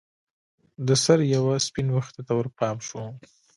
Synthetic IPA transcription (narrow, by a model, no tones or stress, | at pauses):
d̪əsaɾjawaspinwaxt̪at̪awəɾpɑmʃu